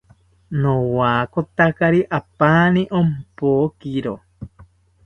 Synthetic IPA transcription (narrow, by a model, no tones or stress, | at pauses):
nowaːkot̪akaɾiʔapaːniʔompoːkiɾo